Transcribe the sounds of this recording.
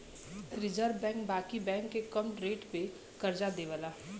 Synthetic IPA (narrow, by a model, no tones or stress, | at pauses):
ɾɪd͡ʒəɾʋːɛ̃ːŋk̚baːkibɛ̃ːŋkːekəmʈɾeːʈpe | kɐɾd͡ʒad̪eːʋəlaː